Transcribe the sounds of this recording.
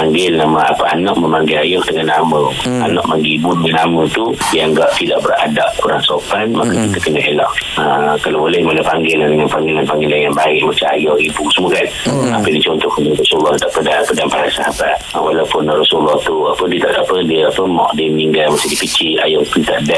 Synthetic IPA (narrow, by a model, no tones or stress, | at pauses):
paŋɡɪlnaməapəanɔʔməmaŋɡilajɔhdəŋanːaməanɔʔmaŋɡibunnamə̃t̪udiaŋɡaʔt̪idaʔbəra̰daʔkuɾaŋsopanmakəkit̪əkənəʔelɔʔəkalawbolɛhmolɛhpaŋɡɪlahdəŋanpaŋɡɪlanpaŋɡilanjaŋbaɪʔ̚mat͡ʃaːjɔʔibusəmuəkanapədit͡ʃɔnt̪ɔhkudirɔsulːɔhdaʔpədanapədanpaɾasaɦabat̪̚walawpʊnrɔsulːɔht̪uapədiət̪aʔdapədiəapəmɔ̰ʔdiməniŋɡalmasihdipit͡ʃia̰jɔʔt̪ut̪aʔdaʔ